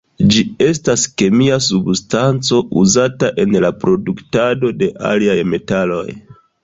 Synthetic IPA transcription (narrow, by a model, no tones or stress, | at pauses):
d͡ʒie̞s̬taske̞miasubstant͡so̞uzataʔe̞nlapɾo̞duktado̞de̞ʔa̰liajme̞talo̞̰j